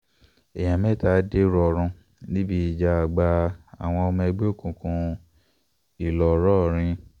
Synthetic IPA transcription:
e˨j̃ã˨mɛ̃˦˨ta˦de˦ɾɔ˧˨˧ɾ̃ɔ̃˧ | nĩ˦bi˦i˨d͡ʒa˧a˨ɡ͡ba˧a̰˨w̃ɔ̃˧ɔ˧mã˧ɛ˧ɡ͡be˦o˦˨kũ˨˧˨kũ˧ | i˨lɔ˨˦ɾɔ˦˨ɾ̃ĩ˧

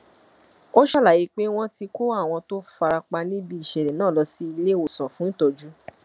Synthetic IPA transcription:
o˦ʃa˦la˨ji˨˧˦k͡pe˦w̃ɔ̃˦ti˧ko˦a˦˨w̃ɔ̃˧to˦fa˧ɾa˧k͡pa˧nĩ˦bi˧˦i˨ʃɛ˨ɾɛ˨nãː˦˨lɔ˧si˦i˧le˦o˨sɔ̃˨fũ˨˦tɔ˧d͡ʒu˦

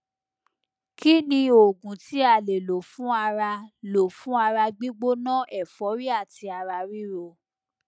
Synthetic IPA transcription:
ki˦nĩ˧o˨ɡũ˨ti˨˦a˧˨le˨lo˨fũ˦a˧ɾa˧lo˨fũ˦a˧ɾa˧ɡ͡bi˦ɡ͡bo˦nã˦˨ʔɛ˦˨fɔ˨˦ɾi˦a˦˨ti˧a˧ɾa˧ɾi˦ɾo˧

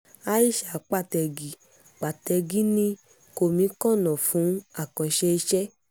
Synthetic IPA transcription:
a˦i˦˨ʃa˨˦k͡pa˦˨tɛ˧ɡi˨ | k͡pa˨tɛ˧ɡi˦nĩ˧ | ko˨mĩ˨˦kɔ̃˦˨nɔ̃˨fũ˨˦a˦˨kɔ̃˧ʃɛ˧i˧ʃɛ˦

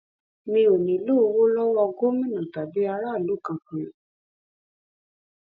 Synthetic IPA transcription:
nĩ˧o˨nĩ˨lo˦˨˧wo˦lɔ˦wɔ˧ɡo˦mĩ˦nũ˨ta˨bi˨˦a˧ɾa˦˨lu˨˦˨kã˧kĩ˨

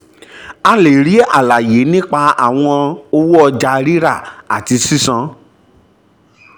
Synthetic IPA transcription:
a˧le˨ɾi˨˦a̰˦˨la˨je˨˦nĩ˦k͡pa˧a̰˨w̃ɔ̃˧o˧wu˦ɔ˧d͡ʒa˧ɾi˦ɾa̰˦˨a̰˨ti˧si˦sã˧

